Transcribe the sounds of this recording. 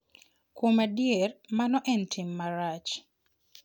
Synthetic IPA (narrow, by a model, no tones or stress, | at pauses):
kwomadjermanɔʔɛntʰɪmːaɾat͡ʃ